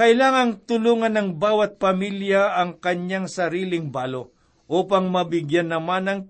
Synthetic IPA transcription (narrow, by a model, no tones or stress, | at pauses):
kɐʔɪlaːŋɐŋt̪ʊluːŋɐnɐŋbaːwɐt̪̚pɐmiljaʔɐŋkɐɲjaŋsɐɾiːlɪŋbaːlo | ʔuːpɐŋmɐbɪɡjanːɐmanɐŋ